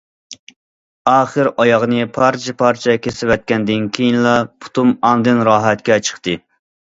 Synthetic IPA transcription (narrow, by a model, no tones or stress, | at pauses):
ɑːχəɾɑjɑʁnɨpʰɑɾt͡ʃʰɛpʰɑɾt͡ʃʰɛkʲʰesɪwɛt̪̚kʲɛnd̪ɪnkʲʰejinlˠɑpʰu̥t̪umɑŋnd̪ɨnɾɑːɦɛt̪kʲɛt͡ʃʰə̥χt̪ʰɨ